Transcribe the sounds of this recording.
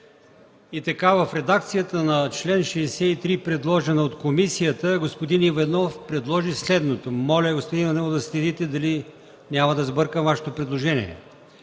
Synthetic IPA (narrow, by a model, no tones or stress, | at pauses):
it̪ɐkavəfɾɛd̪ak̚t̪sijət̪ənɐt͡ʃlɛnʃɛːsɛit̪ɾipɾɛd̪lˠɔʒɛnəot̪komisijət̪əɡospod̪inivɛnɔfpɾɛd̪lˠɔʒislɛd̪not̪omɔlʲəɡospod̪inivɐnɔvd̪ɐslɛd̪it̪ɛd̪ɐli | nʲamɐd̪ɐzbɤɾkəvaʃɛ̥t̪opɾɛd̪lˠoʒɛniɛ̰